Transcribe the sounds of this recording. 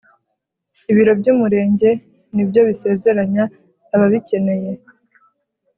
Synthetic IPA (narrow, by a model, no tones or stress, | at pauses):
iβiɾo̞bɟuːmuɾe̞ːɲɟe̞ | nibɟo̞βise̞ːze̞ɾaɲaː | βaβice̞ne̞je̞